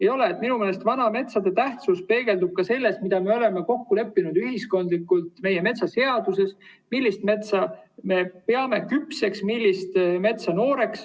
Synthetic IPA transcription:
ejo̞le̞ːt̪ːˑminumeːlest̪vɑnɑme̞t̪sɑd̪e̞t̪æht̪suspe̞ːɡ̥e̞ld̪ub̥̚kɑse̞lːe̞st̪mid̪ɑme̞o̞le̞me̞ko̞kːule̞pːinud̪yɦisko̞nd̪likːˑult̪ˑme̞jeme̞t̪sɑse̞ɑd̪̥use̞st̪ | milʲːist̪me̞t̪sɑme̞pe̞ɑme̞kypse̞ksmilʲːist̪me̞t̪sɑno̞ːɾe̞ks

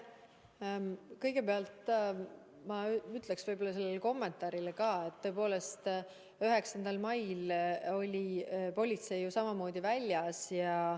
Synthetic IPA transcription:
kɤjɡ̥e̞peɑlt̪ | mɑyt̪ˑleksvɤ̞jbo̞lːɑse̞lːeleko̞mːe̞nt̪ˑɑːɾilekɑːe̞t̪ːø̞epo̞ːle̞st̪ | yɦe̞ksɑnd̪̥ɑlmɑjlo̞lʲipo̞lʲit̪se̞jːusɑmɑmo̞ːd̪̥ʲivælʲːjɑsjɑ

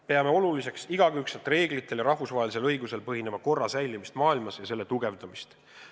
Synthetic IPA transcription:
pe̞ɑme̞o̞lulise̞ksiɡ̥ɑɡ̥ykset̪ˑre̞ːɡlit̪ːˑe̞ljɑɾɑhvusvɑɦelise̞lɤjɡuse̞lpɤɦine̞mɑko̞rːɑsæjlimist̪mɑːilmɑsjɑse̞lːet̪uɡe̞vd̪̥ɑmist̪

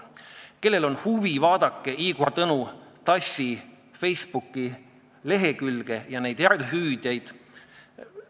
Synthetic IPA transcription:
ke̞lːe̞lo̞nhuvivɑːd̪̥ɑkˑːe̞ʔiːkoɾt̪ɤnut̪ɑsi | fe̞jspukˑːi | le̞ɦekylɡ̥e̞jɑne̞jd̪̥eɾelɦyːd̪̥jejd̪̥

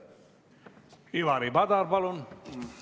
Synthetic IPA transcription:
iʋaɾibad̪aɾbalon

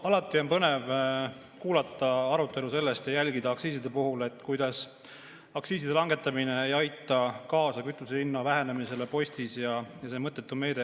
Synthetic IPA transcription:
ɑlɑt̪ːˑio̞npɤne̞v | kuːlɑt̪ːˑɑɑɾut̪ːˑe̞luse̞lːe̞st̪jɑjælɡid̪ɑɑksiːsid̪e̞puɦule̞t̪ːˑkujd̪ɑs | ɑksiːsid̪e̞lɑŋɡe̞t̪ːˑɑmine̞ejɑjt̪ːˑɑkɑːsɑkyt̪ːˑuselinːɑvæɦe̞ne̞mise̞le̞po̞sʲt̪isjɑjɑse̞ːmɤt̪ːˑe̞t̪ːume̞ːd̪e

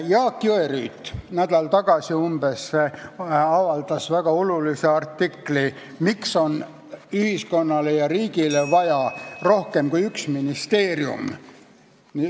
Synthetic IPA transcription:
jɑːkːˑøery̰ːt̪ːnæd̪̥ɑlt̪ɑɡ̥ɑsʲiumb̥e̞sːeɑvɑld̪ɑsvæɡ̥ɑo̞luliseɑrt̪ːikli | mikso̞n | yhisko̞nːɑlejɑriːɡilevɑjɑro̞hke̞mkujyksminist̪e̞ːriṵm | ni

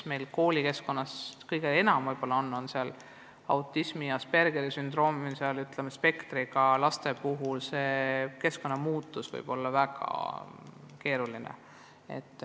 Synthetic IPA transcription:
me̞jlko̞ːlʲike̞sko̞nːɑskɤjɡ̥ee̞nɑmvɤjb̥o̞lːɑo̞nːo̞nseɑl | ɑwt̪ˑːismijɑspe̞rɡ̥eɾisynd̪̥ro̞ːmiseɑlyt̪ˑlemespe̞kt̪riɡɑlɑst̪e̞puɦulse̞ke̞sko̞nːɑmuːt̪ːˑusvɤ̰jb̥o̞lːɑvæɡ̥ɑ̰ | ke̞ːɾulinḛ | e̞̰t̪ːˑ

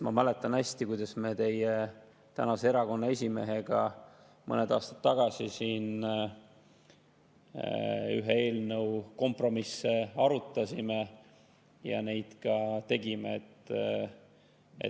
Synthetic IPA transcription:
mɑmæle̞t̪ːˑɑnæsʲt̪ikujd̪̥ɑsme̞t̪e̞je | t̪ænɑseeɾɑko̞nːɑesʲime̞ɦe̞ɡ̥ɑ | mɤ̰ned̪ɑːst̪ɑ̥t̪ːɑɡ̥ɑsisiːn | y̰ɦee̞ːlnəwko̞mpro̞misːe̞ɑɾut̪ːˑɑsʲime̞ | jɑ̰ne̞jd̪̥kɑt̪e̞ɡimḛet̪ː | ḛ

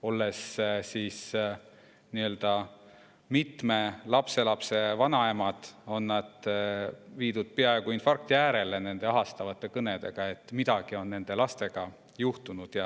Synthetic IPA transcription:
o̞lːe̞ssiːs | niø̞ld̪̥ɑ | mit̪me̞lɑpse̞lɑpse̞vɑnɑemɑd̪̥o̞nːɑd̪̥ | viːd̪ud̪̥̚peɑe̞ɡ̥uinfɑrk̚t̪iæːɾe̞le̞ne̞nd̪e̞ɑɦɑst̪ɑvɑt̪ˑːe̞kɤne̞d̪̥e̞ɡ̥ɑe̞t̪ːˑmid̪̥ɑɡ̥io̞nːe̞nd̪̥e̞lɑst̪e̞ɡ̥ɑ | juht̪unud̪̥jɑ

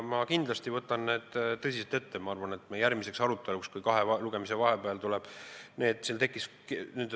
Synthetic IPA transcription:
mɑkind̪̥lɑst̪ivɤt̪ːˑɑnne̞ːd̪̥t̪ːɤsʲiset̪e̞t̪ːe̞mɑɑrvɑne̞t̪ːmejæɾmise̞ksɑɾut̪ːˑe̞lukskujkɑɦe̞luɡ̥e̞mise̞vɑɦe̞peɑlt̪ulɛb̥ne̞ːd̪silt̪e̞kːˑisknyːd̪

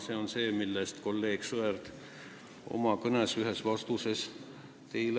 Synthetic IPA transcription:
se̞ːo̞nseːmilːest̪ko̞lːeːɡ̥suerd̪̥ | o̞̰mɑkɤnesyɦesvɑst̪use̞s | t̪e̞jl

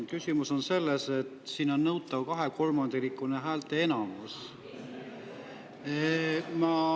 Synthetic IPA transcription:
kysʲimuso̞nse̞lːese̞t̪siːno̞nːɤwt̪ːˑɑvkɑɦe̞ko̞lmɑnd̪̥eɾikːˑuneɦæːlt̪ˑe̞e̞nɑmus | mɑ

